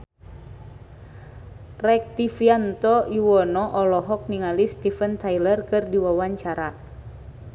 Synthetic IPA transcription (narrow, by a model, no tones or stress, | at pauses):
rɛk̚t̪ifiant̪ɔiwɔnɔʔɔlɔɦɔk̚niŋalist̪ifənt̪ajlərkɨrdiwawaɲt͡ʃaɾa